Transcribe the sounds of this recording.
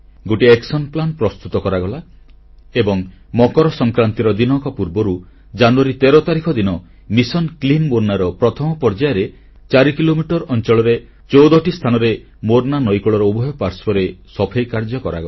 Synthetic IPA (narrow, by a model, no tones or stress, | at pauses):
ɡoʈieksɔnplanpɾɔst̪ut̪ɔkɔɾaɡɔla | ebɔŋmɔkɔɾɔsɔŋkɾant̪iɾɔd̪inɔkɔpuɾbɔɾu | d͡ʒanuaɾit̪eɾɔt̪aɾikʰɔd̪inɔ | misɔnklinmoɾnaɾɔpɾɔt̪ʰɔmɔpɔɾd͡ʒajɾe | t͡ʃaɾikilomiʈɔɾɔnt͡ʃɔɭɔɾe | t͡ʃowd̪ɔʈist̪ʰanɔɾe | moɾnanɔjkɔɭɔɾɔubʱɔɦjɔpaɾspɔɾesɔpʰejkaɾd͡ʒɔkɔɾa̰ɡɔa